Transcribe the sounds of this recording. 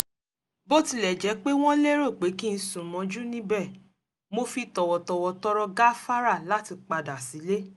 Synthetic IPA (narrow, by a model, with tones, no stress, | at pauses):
bo˦ti˧lɛ˨d͡ʒɛ˨˦k͡pe˦w̃ɔ̃˦le˦ɾo˦˨k͡pe˨˦kĩ˦˧n̩˧˦sũ˨mɔ̃˨˧˦d͡ʒu˦nĩ˦bɛ˦˨ | mo˧fi˧tɔ˨wɔ˨tɔ˧wɔ˧tɔ˦ɾɔ˧ɡa˦fa˦ɾa˦˨la˨˦ti˧k͡pa˧da˨si˨˦le˦